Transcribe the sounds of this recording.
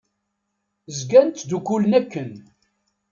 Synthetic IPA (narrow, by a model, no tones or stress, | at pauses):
zɡænt̪d̪ukːulənækːən